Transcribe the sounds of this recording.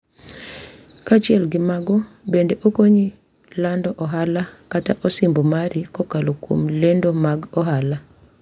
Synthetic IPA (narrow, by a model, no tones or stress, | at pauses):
kat͡ʃɪɛlɡɪmaɡɔbendeʔokoɲi | landɔʔɔɦalakataʔɔsimbomaɾikɔkalokwo̰mlendomaɡɔɦala